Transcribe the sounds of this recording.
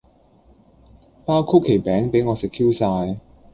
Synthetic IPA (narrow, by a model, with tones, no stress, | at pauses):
paː˥wkʰʊ˥kʰːe˨˩jpɛː˨˥ŋpe˨˥jŋɔː˨˧sɪ˨kʰːiː˥wsaː˧j